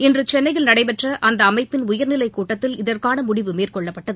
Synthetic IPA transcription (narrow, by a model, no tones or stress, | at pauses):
ɪndrɯt͡ʃɛnːɐɪɣɐɭnɐɽɐɪpɛʈrɐʔɐnd̪ɐːmɐɪpːɪnʊjɐɾnɪlɐɪkuːʈːɐt̪ːɪlɪðɐrkaːnɐmʊɽɪʋɯmeːrkɔɭːɐpːɐʈːɐðɯ